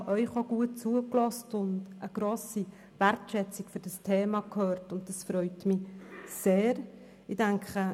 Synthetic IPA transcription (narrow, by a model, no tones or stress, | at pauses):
ʔœʏχoɡ̥uət̚t͡suəklɔstʊndəɡ̥ɾoːsi | værtʃɛt͡sikfʏɾd̥ɑstʰeːmɑkʰhøːɾtʊnt̚d̥ɑsfɾœʏtmɪseːɾ | ɪdæŋkχə